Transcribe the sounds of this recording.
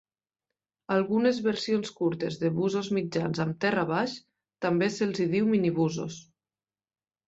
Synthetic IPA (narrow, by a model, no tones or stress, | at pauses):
alˠɣunezβəɾsionskuɾt̪ezðeβuzozmid͡ʒanzamt̪ɛrəβaʃ | t̪ambeselˠziðiwminiβuzo̰s